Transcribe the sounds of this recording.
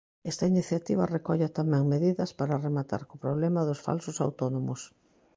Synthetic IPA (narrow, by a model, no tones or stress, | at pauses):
ɛst̪ɐiniθjat̪iβɐrekɔʎat̪amɛ̃ŋmeðiðɐspaɾaremat̪a̰ɾkopɾoβlɛmɐðʊsfa̰lsʊsa̰wt̪onomʊs